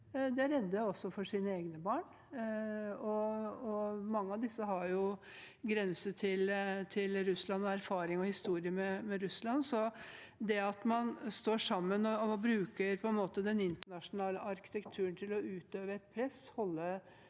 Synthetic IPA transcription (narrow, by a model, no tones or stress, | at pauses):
d̪ɛæɾɛd̪ːəɔsːɔfɔʂiːnəeːɡnəbɑːɳ | ɔɔmɑŋːəɑʋd̪ɪsːəɦɑɾjʊɡɾɛnsəʈʰɪlt̪ʰɪlɾʉslɑnːɔæɾfɑːɾɪŋɔhɪst̪uːɾɪəmɛmɛɾʉslɑnsɔ | d̪ɛɑt̪mɑnst̪oːʂɑmːənɔbɾʉːkəɾpʰɔɛnmoːt̪əd̪ɛnɪnt̪əɳɑʂʊnɑːləʔɑɾkɪ̥t̪ɛkt̪ʰʉːənt̪ʰɪlɔʉːt̪øːʋəɛt̪̚pʰɾɛshɔlːə